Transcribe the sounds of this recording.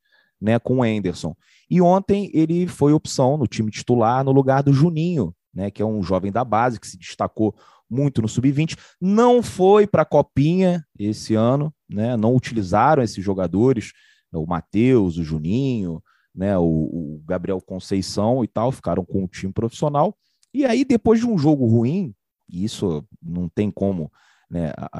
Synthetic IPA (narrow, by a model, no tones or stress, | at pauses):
nɛkõẽnd̪eɾsõ | ɪõnt̪ẽj̃elɪfojopi̥sɐ̃w̃nʊt͡ʃĩmɪt͡ʃi̥t̪ulaɾnʊluɡaɾd̪ʊʒunĩɲʊ | nɛkɪɛũʒɔvẽj̃d̪ɐbazɪkɪ̥sɪd͡ʒiʃt̪ako | mũj̃t̪ʊnʊsubivĩnt͡ʃɪ̥ | nɐ̃w̃fojpɾɐkɔpĩɲɐesɪɐ̃nʊnɛnɐ̃w̃ʊt͡ʃilizaɾɐ̃w̃esɪzʒoɡad̪oɾɪʃ | ɛʊmat̪ewzʊʒunĩɲʊ | nɛʊːɡabɾiɛwkõsejsɐ̃w̃ɪt̪awfi̥kaɾɐ̃w̃kõʊt͡ʃĩmɪpɾofi̥sionaw | ɪaid̪epojzd͡ʒɪũʒoɡʊhuĩ | isʊnɐ̃w̃t̪ẽj̃kõmʊ | nɛ̰a̰